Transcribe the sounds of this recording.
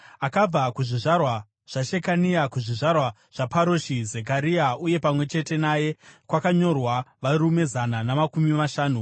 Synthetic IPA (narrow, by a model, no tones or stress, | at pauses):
akab͡vakuʐiʐarwa | ʐ̥aʃekaniakuʐiʐarwa | ʐ̥apaɾoʃizek̬aɾiauje̞pamwe̞t͡ʃe̞te̞naje̞kwakaɲo̞rwaʋaɾume̞zananamakumimaʃaːnu